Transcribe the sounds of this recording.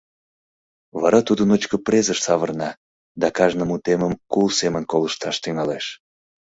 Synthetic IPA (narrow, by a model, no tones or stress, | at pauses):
βɑɾɑt̪ud̪ənot͡ɕkəprezəʃsɑβərnɑ | d̪ɑkɑʒnəmut̪eməmkulsemənkoləʃt̪ɑʃt̪yŋɑleʃ